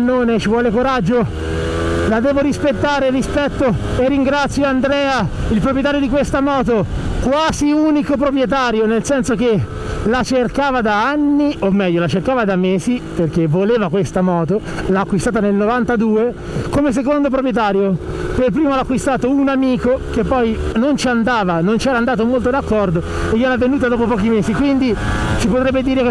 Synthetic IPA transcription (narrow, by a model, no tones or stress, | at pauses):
nːoːnet͡ʃivwɔːlekoɾad͡ʒːo | lad̪ɛːvoɾispet̪ːaːɾerispɛt̪ːoerːiŋɡɾat̪sːjoand̪ɾɛːailpɾopɾjet̪aːɾjod̪ik̬west̪amɔːt̪̬okwaːziuːnikop̬ɾopɾjet̪̬aːɾjonelsɛnsok̟e | lat͡ʃerkaːvad̪aanːiʔomːɛʎːolat͡ʃerkaːvad̪amːeːsiperk̟evoleːvakwest̪amɔːt̪o | laːkːwist̪aːt̪anelnovant̪ad̪uːe | komes̬ek̬ond̪opɾopɾjet̪̬aːɾjopelpɾiːmolakːwist̪aːt̪ounamiːkokepːɔjnont͡ʃiand̪aːvanont͡ʃiɛːɾand̪aːt̪omolt̪od̪akːɔrd̪oejɛɾavːenuːt̪̬ad̪ɔːpopɔːk̟imeːsikwind̪it͡ʃipot̪ɾɛbːed̪iːɾeke